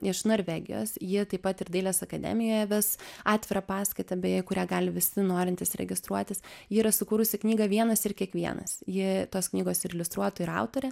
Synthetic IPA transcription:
ɪʃnoɾʲʋʲɛɡʲɪ̰jo̰ːsjɪt̪ɐɪpɐt̪ɪɾd̪ɐɪlʲɛːsɐkɐd̪ʲɛ̰ːmʲɪjoːjɛʋʲɪsɑːt̪ʲʋʲɪɾɐpɑːskɐɪt̪ɐbʲɛjkʊɾʲæːɡɑːlʲɪʋʲɪsʲɪnoːɾʲɪnʲt̪ʲɪsɾʲɛ̰ɡʲɪst̪ɾuɔt̪ʲɪsjɪːɾɐsʊkuːɾʊsʲɪknʲiːɡɐʋʲiɛnɐsɪrkʲiɛkʋʲiɛ̰nɐ̰sjɪt̪oːsknʲiːɡoːsɪɾɪlʲʊst̪ɾuɔt̪ʊɪɾɐ̰ʊt̪oːɾʲɛ

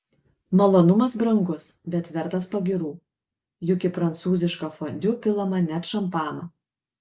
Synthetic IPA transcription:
mɐlˠoːnʊmɐsbɾɐŋɡʊsbʲɛt̪ʋʲɛɾt̪ɐspɐɡʲɪɾuː | jʊkʲɪpɾɐnt̪suːzʲɪʃkɐfonʲd̪ʲʊpʲɪlˠɐmɐnʲɛt̪ʃɐmpɑːnɐ

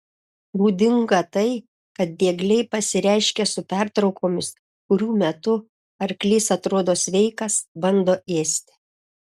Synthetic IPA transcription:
ɾuːd̪ʲɪŋɡɐt̪ɐɪ | kɐt̪̚d̪ʲeːɡlʲɛɪpɐsʲɪɾʲæˑɪʃʲkʲɛsʊpʲæˑɾt̪ɾɒʊkoːmʲɪs | kʊɾʲuːmʲɛt̪ʊ | ɐɾklʲiːsɐt̪ɾoːd̪oːsʲʋʲɛɪkɐsbɐnd̪oːeːsʲt̪ʲɪ̥

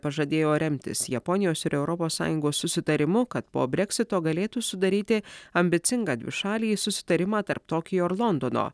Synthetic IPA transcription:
pɐʒɐd̪ʲeːjoːɾʲɛmʲt̪ʲɪ̰sjɛpɔnʲɪjoːsɪɾɛʊɾɔpoːsːɑ̰ːjʊŋɡoːsːʊsʲɪt̪ɐɾʲɪmʊkɐt̪po̰ːbʲɾʲɛksʲɪt̪oːɡɐlʲeːt̪uːsʊd̪ɐɾʲiːt̪ʲɪɐmʲbʲɪt̪sʲɪŋɡɑːd̪ʲʋʲɪ̰ʃɑːlʲiːsʊsʲɪ̥t̪ɐɾʲɪmɑːt̪ɐɾp̚t̪oːkʲɪjoːɾlˠɔnd̪oːno̰ː

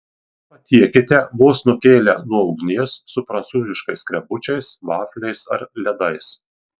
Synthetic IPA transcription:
pɐt̪ʲiɛkʲɪt̪ʲɛʋoːsnʊkʲeːlʲɛnuɔɒʊɡnʲiɛsːʊpɾɐnt̪suːzʲɪʃkɐɪskɾʲɛbʊt͡ʃʲɛɪsʋɑːfʲlʲɛɪsɐ̰ɾlʲɛd̪ɐɪs

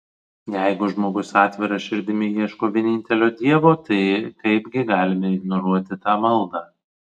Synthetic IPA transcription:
jɛɪɡʊʒmoːɡʊsɑːt̪ʲʋʲɪɾɐʃʲɪɾʲd̪ʲɪmʲɪiɛʃkoːʋʲiɛnʲɪnʲt̪ʲɛlʲoːd̪ʲiɛʋoːt̪ɐɪkɐɪpʲɡʲɪɡɑːlʲɪmʲɛɪɡnɔɾuɔt̪ʲɪt̪ɑːmɐlˠd̪ɑː

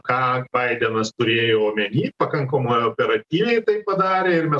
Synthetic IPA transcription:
kɑːbɐɪd̪ʲɛnɐst̪ʊɾʲeːjoːoːmʲɛnʲiːpɐkɐŋkɐmoːjoːpʲɛɾɐt̪ʲiːʋʲɛɪt̪ɐɪppɐd̪ɑːɾʲeːɪɾmʲɛ

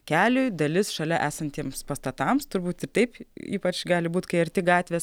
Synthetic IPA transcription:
kʲæːlʲʊjd̪ɐlʲɪsʃɐlʲɛʔæːsɐnt̪ʲiɛmspɐst̪ɐt̪ɐmst̪ʊɾbuːt̪ɪrt̪ɐɪpḭːpɐt͡ʃɡɑːlʲɪbuːt̪kɐɪɐɾʲt̪ʲɪɡɑːt̪ʲʋʲeːs

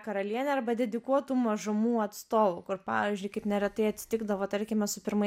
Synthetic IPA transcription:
kɐɾɐlʲiɛnʲɛɐɾbɐd̪ʲɛd̪ʲɪkuɔt̪uːmɐʒʊmuːɐt̪st̪oːʋuːkʊɾpɑ̰ːʋʲiːzʲd͡ʒʲʊɪkɐɪpnʲɛɾʲɛt̪ɐɪɐt̪sʲɪ̥t̪ʲɪɡd̪ɐʋoːt̪ɐɾʲkʲɪmʲɛsʊpʲɪɾmɐ

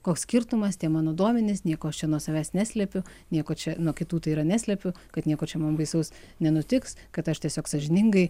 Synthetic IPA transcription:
koːkssʲkʲɪɾt̪ʊmɐst̪ʲiɛmɑːnoːd̪uɔmʲɛnʲɪsnʲiɛkoːɐʃt͡ʃʲɛnuɔsɐʋʲæːsnʲæːsʲlʲɛpʲʊ | nʲiɛkoːt͡ʃʲɛnuɔkʲɪt̪uːt̪ɐɪiɾɐnʲæːsʲlʲɛpʲʊ | kɐt̪nʲiɛkoːt͡ʃʲɛmɐnbɐɪsɐʊs | nʲɛnʊt̪ʲɪkskɐt̪ɐʃt̪ʲiɛsʲoːksɐʒʲɪnʲɪŋɡɐɪ

